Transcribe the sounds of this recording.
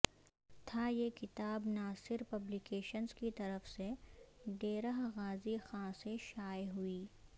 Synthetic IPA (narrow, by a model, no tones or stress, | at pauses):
t̪ʰajekɪt̪aːbnaːsɪɾpɐblikeːʃənzkit̪ɐɾəfseɖeːɾəɦɣaːzixãːseʃaːjɦʊiː